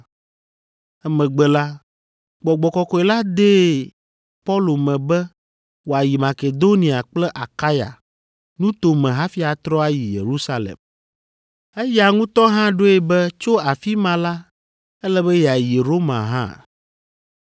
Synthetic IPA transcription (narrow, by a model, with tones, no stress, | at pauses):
ɛ˦mɛ̃˨ɡ͡bɛ˨la˦ | ɡ͡bɔ˨ɡ͡bɔ˨kɔ˨kɔ˦e˨la˦d̪e˦ | pɔ˦lo˨mɛ̃˨bɛ˦ | wo˨a˨ji˨ma˨ke˨d̪o˦nĩ˨a˨k͡plɛ˦ʔa˨ka˦ja̰˨ | nũ˦t̪o˨mɛ̃˨ɦã˦fi˦a˨t̪ɾɔ˦a˦ji˨jḛ˨ɾu˦sa˦lḛ˨m | e˦ja˨ŋũ˦t̪ɔ˦ɦã˦ɖo˦e˨bɛ˦t͡ʃo˦a˨fi˦mã˨la˦ | ɛ˦lɛ˦bɛ˦jɛ˨a˨ji˨ɾo˦mã̰˨ɦã̰˦˨